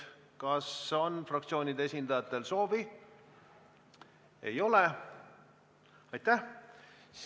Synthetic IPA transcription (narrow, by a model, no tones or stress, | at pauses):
kɑso̞nfrɑkt̪sio̞ːnʲid̪ee̞sʲind̪̥ɑjɑt̪ːˑe̞lso̞ːvi | e̞̰jo̞le̞ | ɑjt̪ːæh | s